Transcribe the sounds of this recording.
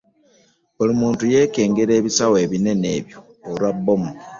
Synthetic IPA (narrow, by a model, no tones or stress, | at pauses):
olimuːntuje̞ːke̞ːŋɡe̞ɾe̞ːβisawe̞βine̞ne̞βjo̞ːlwabːomu